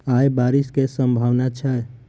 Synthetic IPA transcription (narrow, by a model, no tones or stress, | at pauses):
ajbaɾiskesəmbʱaʋnat͡ʃʰɛ